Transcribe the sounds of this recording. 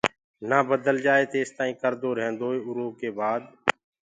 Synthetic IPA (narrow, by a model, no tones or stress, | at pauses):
naːbəd̪əld͡ʒaːeːt̪eːst̪aːĩːkəɾd̪oːɾɦẽːnd̪oːeːʊɾoːkeːbaːd̪